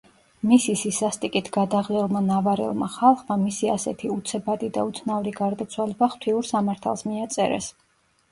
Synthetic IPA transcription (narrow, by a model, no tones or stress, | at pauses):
misisisast̪ʼikʼit̪ʰɡ̥ad̪aʁlɛlˠmanavaɾɛ̰lˠma̰χalˠχmamisiasɛ̰t̪ʰiut̪sʰɛbad̪id̪a̰ut̪sʰnauɾiɡaɾd̪at̪sʰwalɛbaχt̪ʰiuɾsamaɾt̪ʰa̰lˠsmiat̪sʼɛ̰ɾɛ̰s